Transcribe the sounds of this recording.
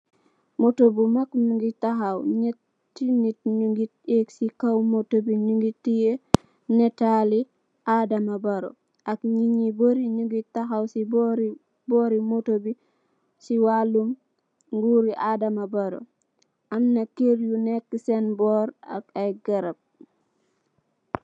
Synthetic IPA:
motobumakɲuŋɡitaxawɲe | tːinit̚ɲuŋɡit̚eksikawmotobiɲuŋɡitije | netali | ʔadamabaɾo̰ | ʔakɲiɲiboɾiɲuɡitaxawsibɾ | bɔːɾimotobi | siwalum | ŋɡuɾiʔadamabaɾo̰ | ʔamnakeɾjunekːisenbɔːɾa̰kajɡɐɾɐb̚

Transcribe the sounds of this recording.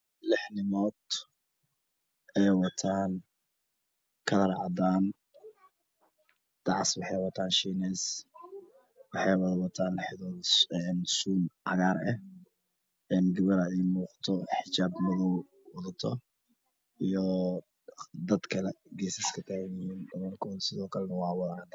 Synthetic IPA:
lɪħnɪmɔːd̪ | ʔɛjwɑt̪ʰaːn | kʰɐlɐɾɑʕɑd̪aːn | d̪̥ɑʕswɑħɑjwɐt̪ʰaːnʃiːnɛs | wɑħɑjwɐðɐwɐt̪ʰaːnlɪħɪðɔːðɛnsuːnʕɑ̰ɣaːɾɛh | ɛnɡɐβɐɾɐɛjmuːqt̪ʰɔħɪt͡ʃaːbmʊðɔw | wɑðɐt̪ʰɔ | ijɔ | d̪ɐd̪kʰɐlɛɡɛːsɐskʰɐt̪ʰaːɣjɪhiːnd̪ɐmɔːrkʰʊːnsɪðɔːkʰɐlɛnɐwɑːwɑðɐnɐt̪ʰɐ

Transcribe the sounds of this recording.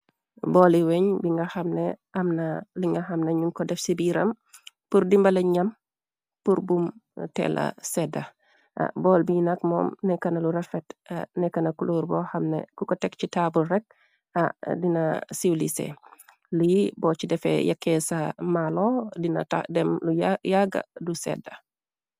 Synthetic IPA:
bɔːliwɛɲbiŋɡɐxɐmnɛʔɐmnɐliŋɡɐxɐmnɐɲuŋkɔdɛfsibiɾɐm | purdimbɐlɐɲɐm | puɾbumtɛ̰lʔɐ̰sɛdɐ̰ | bɔlbinɐkmɔ̰ːmnɛkɐnɐluɾɐfɛta̰nɛkɐnɐkuloːɾbɔːxɐmnḛkukɔtɛkcitaburɛk̚ | a̰dinɐsiwlisɛ̰ | lujibɔːt͡ʃidɛfɛ̰jɐkːɛsɐmalɔdinɐ̰tadɛmlujjaɡɐ̰dusɛ̰dːɐ

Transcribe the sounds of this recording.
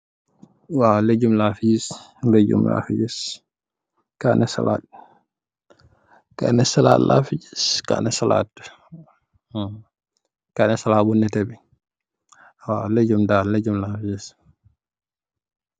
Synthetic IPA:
waled͡ʒumlafid͡ʒisled͡ʒṵmla̰fid͡ʒɛs | kanɛsa̰lad | ka̰nɛsala̰lʔa̰fid͡ʒɛ̥ska̰nɛsala̰ːt | kanɛsalaːbunːɛtɛbi | waled͡ʒumdalled͡ʒumlafid͡ʒɛs

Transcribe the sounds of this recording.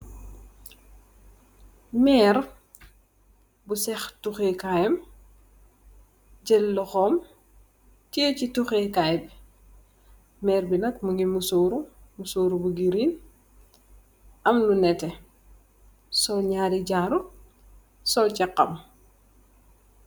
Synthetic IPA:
mɛːɾ | busɛxtuxekajɐm | ɟɛlːɔxɔːm | t͡ʃicituxekajb | mɛːɾbinɐkmuɡimusoːɾumusoːɾubuɡiɾin | ʔɐmnunɛtɛ | sɔlɲaːɾiɟaːɾu | sɔlcɐqːɐm

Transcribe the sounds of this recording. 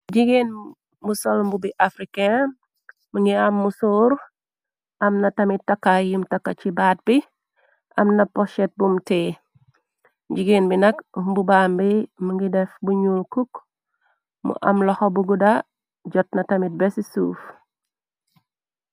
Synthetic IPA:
ɟiɡen | musɔlmbubiʔafɾike | muŋɡiamːusuːɾ | ɐmnɐtɐmitːɐkːajumtɐkːat͡ʃibaːt̚bi | ʔɐmnɐpɔʃɛt̚bumtɛː | ɟiɡeːnbinɐkmbubaːmbimuŋɡidɛfbuɲulkuk | mṵʔɐ̰mlɔxɔbuɡuda | ɟɔt̚nɐtɐmit̚bɛsisuːf

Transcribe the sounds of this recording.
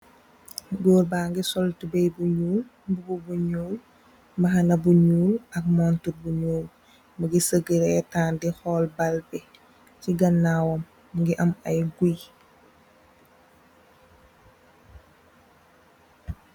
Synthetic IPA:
ɡoːɾbaːŋɡisɔltubɛjbuɲuːl | mbububuɲuːl | mɐɦɐnɐbuɲuːlɐk̚mɔntuɾ̚buɲuːl | məɡisəɡiɾɛtaːndixɔːlbalbɛ | ciɡɐnːawɔmː | ŋɡiʔɐmɐjɡuj

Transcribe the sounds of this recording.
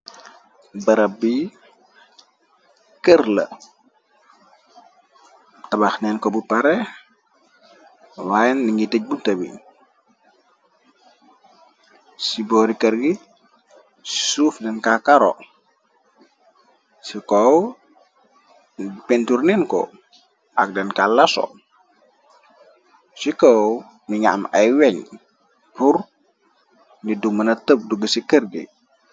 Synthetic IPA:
bɐɾɐbi | kərlə̰ | tɐbaxnɛnkɔbupaɾɛ | wajɛndiŋɡitəc̚buntəbḭ | sibɔːɾikəɾɡi | si̥suːfdɛnkakaɾɔ̰ | sikɔw | penturninkɔ̰ | ʔak̚dɛnkalɐsɔ̰ | sikɔw | miɲa̰mɐjwɛɲ | puɾ | nidumɐnɐtəp̚duɡəsikəɾɡḭ

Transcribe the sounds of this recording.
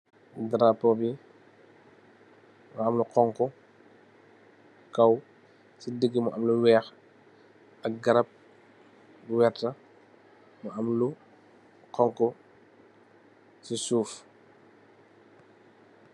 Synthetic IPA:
dɾapːɔbi | muɐmluqɔŋkɔ | kɐw | sidəɡːimuʔɐmluwɛːx | ɐk̚ɡɐɾɐp̚ | buwɛɾtɐ | muʔɐmlu | qɔŋkɔ | sisuːf

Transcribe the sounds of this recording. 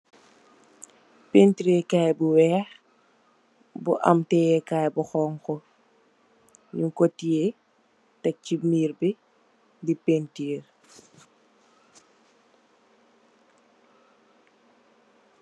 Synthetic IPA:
pentiɾekaːjbuwɛːx | buʔa̰mtɛːjɛkaːjbuxɔːŋkɔ | ɲuŋkotːije | tɛk̚cimiːrbi | dipentiːr

